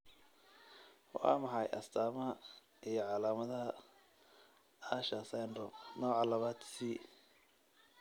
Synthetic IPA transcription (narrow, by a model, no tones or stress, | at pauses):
ha̰mɐħɑjʔɐ̰st̪ʰaːmɐɦɐ | ijɞʕɑlaːmɐðɐɦɐ | aːʃɐsandɔnɔːʕɑlɐβaːd̪siː